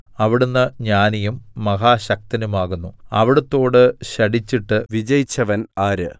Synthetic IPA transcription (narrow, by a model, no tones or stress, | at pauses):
ɐʋiɽunːɨɲaːnɐjumːɐɦaːɕɐk̚t̪ɐnumaːɣunːuɐ̰ʋiɽɐt̪ːo̞ːɽɨɕɐɽit͡ɕːiʈːɨʋid͡ʑɐjit͡ɕːɐʋɐnaːɾɨ